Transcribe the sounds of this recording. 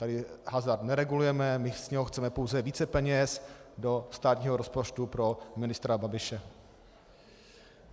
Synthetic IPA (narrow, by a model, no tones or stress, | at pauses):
t̪adɪɦazaɾd̪nɛɾɛɡulujɛmɛmɪsɲɛɦoxt͡sɛmɛpo̞wzɛviːt͡sɛpɛɲɛsdo̞st̪aːt̪ɲiːɦoɾo̞spo̞t͡ʃt̪upɾo̞mɪnɪst̪ɾababɪʃɛ